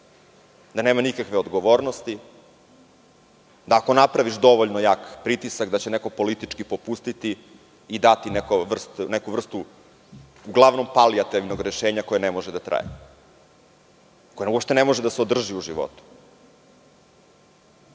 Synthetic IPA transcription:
d̪ane̞ːmanikakʋeod̪ɡoʋo̞ːɾnost̪i | d̪aːko̞napɾaʋiʃd̪o̞ʋoʎnojakpɾit̪isakd̪at͡ɕeneko̞po̞lit̪it͡ʃkipo̞pust̪it̪iː | d̪at̪inekoʋr̩st̪nekuʋr̩st̪u | uɡlˠaʋno̞mpaliat̪iʋnoɡɾeʃeːɲakojenemo̞ʒɛd̪at̪ɾa̰ːjḛ | kojeuopʃt̪e̞nemoʒed̪aseod̪r̩ʒiuʒiʋo̞̰t̪u̥

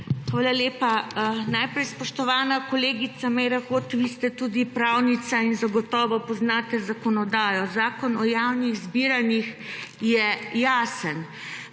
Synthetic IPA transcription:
xʋaːlaleːpanajpɾɛjspɔʃt̪ɔʋaːnakɔleːɡit̪samɛjɾaxoːt̪ʋiːst̪ɛt̪uːd̪ipɾawnit̪sainzaɡɔt̪ɔːʋɔpɔznaːt̪ɛzakɔnɔd̪aːjɔzaːkɔnɔjawniɣzbiːɾanixjɛjaːsən

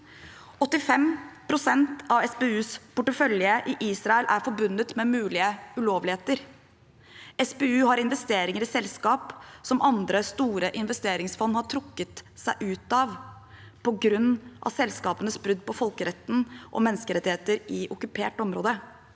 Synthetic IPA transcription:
ɔt̪ːɪfɛmpʰɾʊsɛnt̪ɑʋɛsbeːʉːspʰʊʈəfœljəʔɪʔiːsɾɑɛlʔæ̰ɾfɔɾbʉnːət̪mɛmʉːlɪəʉloːʋlɪheːt̪əɾ | ɛsbeːʉːhɑɾɪnʋɛst̪eːɾɪŋəɾɪsɛlskɑːpsɔmʔɑnd̪ɾəst̪uːɾəʔɪnʋɛst̪eːɾɪŋsfɔnːhɑʈʰɾʊkːət̪sæɪʔʉːt̪ɑʋ | pʰɔɡɾʉnːʔɑ̰sɛlskɑːpənəsbɾʉd̪ːpɔfɔlkəɾɛt̪ːn̩ʔɔ̰mɛnːəskəɾɛt̪ːɪheːt̪əɾɪʔʊkʉpʰeːʈɔmɾoːd̪ə

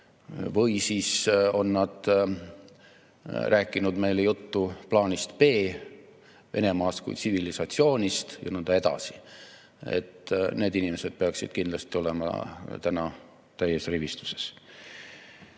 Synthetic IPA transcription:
vɤjsiːso̞nːɑd̪̥ | rʔæːkːˑinud̪me̞jlejut̪ːuplɑːnʲist̪pe̞ː | ve̞̰ne̞mɑːst̪kṵj̪sivilisɑt̪sio̞ːnʲist̪jɑnɤnd̪̥ɑe̞d̪ɑ̰si̥ | ḛt̪ːne̞ːd̪inimese̞d̪̥̚pe̞ɑksid̪̥̚kind̪lɑst̪io̞lemɑ̰t̪ænɑ | t̪æjesrivist̪u̥se̞̥s

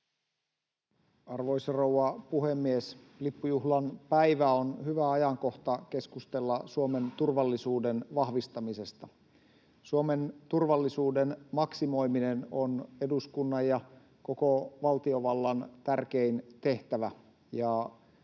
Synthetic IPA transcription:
ɑrʋo̞jsrowɑpuhemːies | lipːujuɦlɑnpæiʋæonhyʋæɑjɑŋko̞ht̪ɑk̟e̞skust̪e̞lːɑsuome̞nt̪urʋɑlːisuːdenʋɑhʋist̪ɑmise̞st̪ɑ | suome̞nt̪urʋɑlːisuːdenmɑksimo̞jminenone̞duskunːɑjjɑ | ko̞ko̞ʋɑlt̪io̞ʋɑlːɑnt̪ærk̟eint̪e̞ht̪æʋæ | jɑ

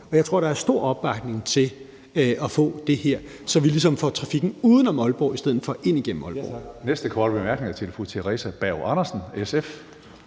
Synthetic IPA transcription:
ɒ̽jɑ̈ɪt͡sʰʁo̝ɐ̰ɾ̥ɑ̈æɐsd̥o̝ɐ̰ɒ̽b̥ɑ̈ɡ̥ne̝ŋt͡sʰe̝l | ɒ̽fɔ̰̽ːd̥e̝heɐ̰ | sɒ̽ʋilisɒ̽mfɒt͡sʰʁɑ̈fiɡ̥n̩uːðˠənɒmɒ̽lb̥ɒ̰ːisd̥eð̰ˠð̩ˠfɒ̽ʔe̝n̰iɡ̥en̰m̩ɒ̽lb̥ɒ̰nesd̥əkʰʋɑ̰d̥b̥emæɐɡ̥ne̝ŋæt͡sʰelfot͡sʰe̝ʁɛ̰sæb̥æʊɑ̈nɐsn̩esef

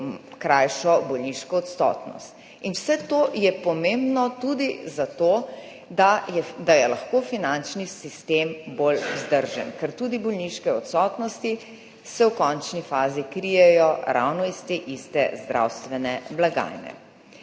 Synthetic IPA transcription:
kɾajʃɔbɔlniʃkɔːt̪st̪ɔ̰ːt̪nɔ̰st̪ | inwsɛt̪oːjɛpɔmembnɔt̪ud̪izat̪oː | aɛd̪ajɛlaxkoːfinant͡ʃnisist̪embolwzd̪əɾʒə̰nkɛɾt̪ud̪ibɔlniʃkɛɔt̪sɔt̪nɔst̪i | sɛwkɔnt͡ʃnifaːzikɾijɛjɔɾa̰wnɔist̪eːʔist̪ɛzd̪ɾʔa̰wst̪ʋɛnɛblaɡa̰jnɛ̰

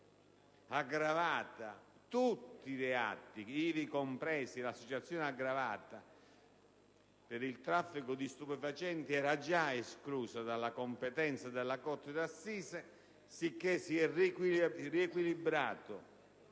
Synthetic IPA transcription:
aɡɾavaːt̪a | t̪ut̪ːilɛa̰t̪ːiiːvikompɾɛːsilasːot͡ʃat̪sːjoːnɪaɡɾavaːt̪a | pɪɾilt̪ɾafːikʊd̪ist̪upɛfat͡ʃɛnt̪iɛːɾad͡ʒaeskluːsad̪alːakompɛt̪ɛnt̪sad̪elːakɔt̪ːɪd̪asːiːsɛ | sikːesːiɛr | riekwilibɾaːt̪ʊ

